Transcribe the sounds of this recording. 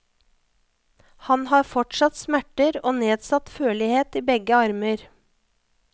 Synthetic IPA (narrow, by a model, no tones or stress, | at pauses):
hɑnhɑːfɔʈʃɑt̪smæʈəɾoːneːd̪sɑt̪føːɭɪheːt̪iːbɛɡəɑɾməɾ